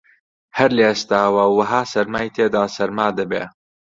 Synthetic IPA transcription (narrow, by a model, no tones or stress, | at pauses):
hɐɾleːst̪aːwɐwɐɦaːsɐɾmaːjit̪ʰeːd̪aːsɐɾmaːd̪ɐbḛː